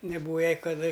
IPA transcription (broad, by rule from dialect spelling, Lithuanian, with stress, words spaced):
nʲɛˈbuːʋɐ ˈjɛɪ kɐˈdɐ